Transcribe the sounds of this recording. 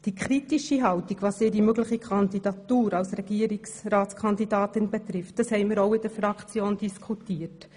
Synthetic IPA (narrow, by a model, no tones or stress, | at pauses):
d̥ikʰɾitiʃiɦɑwtiɡ̥ʋɑːsɪɾimøɡləχikʰɑndid̥ɑt̪uːɾɑlsɾɛɡ̥iəɾiksɾɑːt͡skʰɑnd̪idɑːt̪ɪnbɛt̪ɾɪft̚d̥əshɛɪməɾɔwɪd̥əɾfɾɑkt͡sjoːnd̥iskʰutiːət